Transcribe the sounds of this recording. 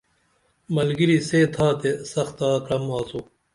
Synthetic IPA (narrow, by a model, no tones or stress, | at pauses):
mɐlɡiɾiseːt̪ʰaːt̪esɐxt̪aːkɾɐmaːsoː